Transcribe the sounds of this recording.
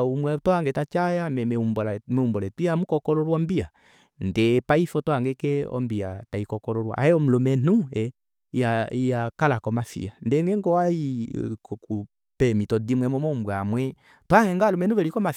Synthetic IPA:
umwɛtɔaŋɡɛtat͡ʃajamɛɛumbɔlmɛumbɔlɛtiamukɔkɔlɔɾwɔmbia | ndɛpaifɔtɔaŋɡɛkɛɔ̰mbia̰taikɔkɔlɔɾwa̰a̰ɛɔm̩lɔmɛnuɛ | aijakalakɔmafḭandɛŋɡɛŋɡɔwaikɔku | pɛmitɔdimwɛmɔmɔumbwamwɛ | tɔahɛŋɡalɔmɛnuβɛlikɔmaf

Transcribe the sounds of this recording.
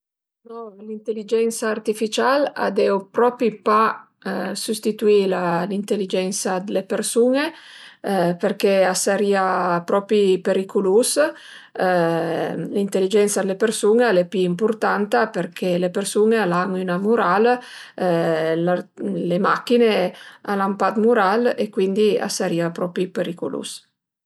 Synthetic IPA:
nɔlint̪elːid͡ʒɛnt̪saːrt̪ifit͡ʃala̰d̪ɛwpɾɔpɾipa | sust̪it̪uilalint̪elːid͡ʒɛnsad̪elepersuːne | perkeasaɾiapɾɔːpɾipeɾikulus | lint̪elːid͡ʒɛnt̪sad̪elepersuːnealepiimpurt̪ant̪aperkʰelepersuːnealaŋinamuɾal | lalemakːinealampat̪muɾalekwind̪ia̰sːaɾiːapɾɔːpɾipeɾikṵlṵs

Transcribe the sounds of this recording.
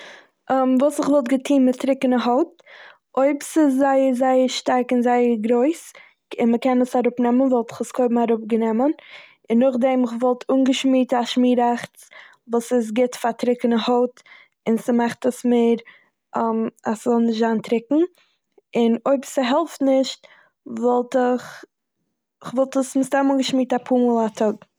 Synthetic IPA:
mvuːsɪχvɔlˠt̚ɡətʰiːnmɪtɾɪkənəɦoʊt̚ | oɪbsɪszaɪəɾzaɪəɾʃtaɾkɪnzaɪəɾɡɾoɪs | ɪnməkɛnəsaɾʊpnɛmənvɛlˠtɪ̥χəskʰoɪbm̩aɾʊp̚ɡənɛmən | ɪnːʊχdɛmɪχvɔlˠtʰuːnɡəʃmiːtaʃmiːɾaχt͡s | vuːsɪs̬ɡɪtfatɾɪkənəhɔʊt | ɪnsəmaχtəsmeːɾ | maszɔlˠnɪʃtzaːntɾɪkŋ̩ | ɪnoɪbsəɦɛlˠftnɪʃt | vɔlˠtɪχ | ɪχvɔlˠtəsmɪstamuːnɡəʃmiːtapʰuːmuːlˠatʰɔɡ

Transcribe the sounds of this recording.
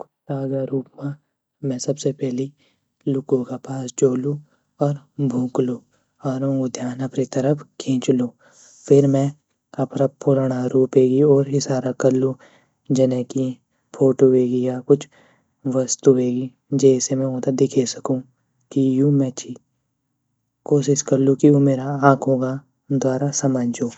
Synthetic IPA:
kʊ̥t͡ʃʰt̪aːɡaɾuːpmã | mɛ̃sɐbsepɛɦli | lʊkõkapaːst͡ʃoːlũ | ɔːɾbʱũːkluː | aːɾõːɡod̪ʱjaːnɐpɾit̪ɐɾəpʰkʰẽːt͡ʃloː | pʰɪɾmɛ̃ | ɐpɾapʊlɽ̃aɾuːpeːɡiɔːɾɪsaːɾakɐɾlũ | d͡ʒɐnɛki | pʰoːʈoeːɡijakʊt͡ʃʰ | ʋəst̪ueːɡi | d͡ʒɛːsemɛ̃õːt̪ad̪ɪkʰesə̥kũː | kijumɛ̃t͡ʃʰi | koːʃɪʃkɐɾlũkijomeːɾaãːkʰɦõːɡa | d̪waːɾasɐmə̃ɲd͡ʒoː

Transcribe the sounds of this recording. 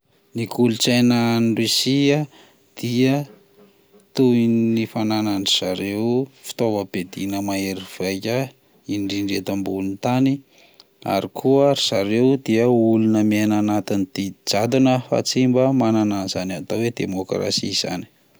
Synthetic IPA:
nikulut͡sananɖ͡ʐisiə | d̪̥iə | t̪uinnifananaɳɖ͡ʐiz̥aɾewfi̥t̪ovəb̥ed̪inəmaeɾiv̥ajkʲə | iɳɖ͡ʐiɳɖ͡ʐet̪ambulunt̪ani | a̰ɾikʰuaɾiz̥aɾewd̪iəulunəmenanat̪inid̪̥id͡ʒad̪unəfa̰t͡simbəmanananzanat̪owed̪emokra̰siz̥a̰ni̥

